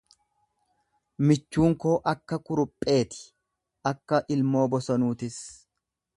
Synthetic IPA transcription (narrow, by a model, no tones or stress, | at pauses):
mɪt͡ʃːuːŋko̞ːʔɐkːɐkʼʊɾʊpʼːe̞ːt̪ɪ̥ | ʔɐkːɐʔɪlmo̞ːbɔsɐnuːt̪ɪs